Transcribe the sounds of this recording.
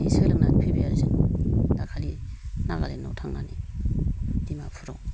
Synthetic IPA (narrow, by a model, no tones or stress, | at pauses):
isɯlɯŋnanipʰibiaɾisɯŋdakʰalinaɡa̰lenːawtʰaŋnani | dimapʰuɾɔŋ